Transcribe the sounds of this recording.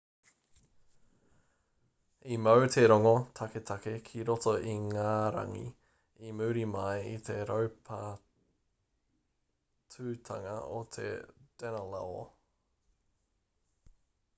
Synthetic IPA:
imɐwt̪ʰeɾoŋot̪ʰɐket̪ʰakekʰiɾot̪oʔiŋaːɾa̰ŋḭ | imʉːɾimajit̪ʰe̞ɾowpʰa | tʰʉt̪ʰa̰ŋɐ̰o̰t̪ʰḛd̥ɛnəla̰o̰

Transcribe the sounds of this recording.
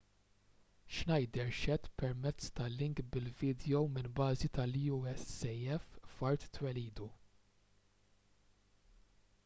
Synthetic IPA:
ʃnɐjd̪ɛɾʃɛt̪ːpɛɾmɛt͡sːt̪ɐlːɪŋkbɪlvɪːd̪jɔwmɪnbɐːzit̪ɐlːuɛsɛjɛffɐɾt̪ːwɛliːd̪u

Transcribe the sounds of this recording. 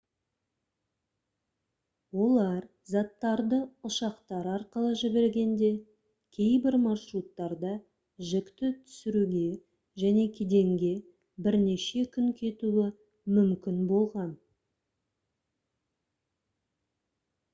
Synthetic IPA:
wo̞lˠɑɾ | zɑt̪ːɑɾd̪əʊʃɑqt̪ɑɾɑɾqəlˠəʒɪbe̞ɾɡʲe̞nd̪e̞ | kʲʰe̞jbɪɾmɑrʃɾut̪ːɑɾd̪ɑ | ʒɪkt̪ɪt̪ʰʏ̥sɪɾuɡʲe̞ | ʒæne̞kʲʰed̪e̞ŋɡʲe̞ | bɪɾne̞ʃe̞kʲʰʏŋkʲʰe̞t̪uwɪ | mʏmkʲɪnbo̞lˠʁɑn

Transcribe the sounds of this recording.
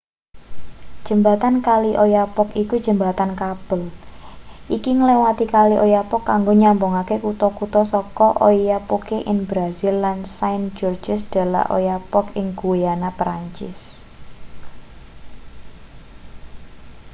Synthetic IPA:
d̥ʒ̥əmbat̪ankaliʔojapɔkikud̥d͡ʒ̥ə̤mbat̪ankab̥əl | ʔikiŋlewat̪ikaliʔojapɔkːaŋɡoɲamboŋakekut̪ɔkut̪ɔsɔkɔʔojapokeʔɪnbɾazilːansaind͡ʒɔrd͡ʒɪsd̪̥a̤la̰ʔo̰japɔkɪŋɡ̥uweanapɾaɲt͡ʃɪ̰s

